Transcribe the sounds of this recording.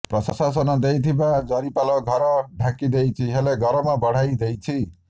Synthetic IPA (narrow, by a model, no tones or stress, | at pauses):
pɾɔsasas̬ɔnɔd̪ejt̪ʰibad͡zʌɾipalɔɡʱʌɾɔɖʱakid̪ejt͡ʃʰiɦeleɡʱʌɾɔmabɔɽ̤ajd̪ejt͡ʃʰi